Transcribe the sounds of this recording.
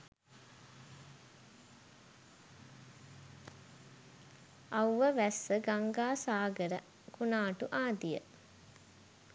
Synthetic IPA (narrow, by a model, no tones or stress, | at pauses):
ɐwʋəʋæsːəɡaŋɡaːsaːɡəɾə | kunaːʈuʔaːd̪ijə̰